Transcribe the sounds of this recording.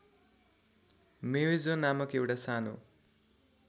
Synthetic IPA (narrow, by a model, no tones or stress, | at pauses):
mewizonamʌkewɽasanṵ